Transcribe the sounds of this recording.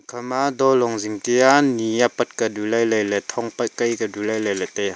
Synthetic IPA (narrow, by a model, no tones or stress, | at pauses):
kʰamad̪ɔlɔŋziŋt̪ianiapɐt̪̚kadulajlajlɛt̪ʰɔŋpɐjkajkadulɐjlɐjlɛt̪ɛja